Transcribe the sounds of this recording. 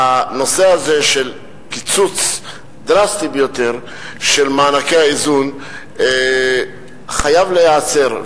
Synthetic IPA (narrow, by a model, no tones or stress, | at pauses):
ano̞se̞azeʃe̞l | kit͡sut͡s | d̪ʁast̪ibejo̞t̪e̞ʁ | ʃe̞lmaːnakejaizun | χajavlejaːt͡se̞ʁ